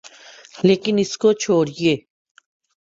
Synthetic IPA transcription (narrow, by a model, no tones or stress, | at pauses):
leːkɪnɪskot͡ʃʰoːɾieː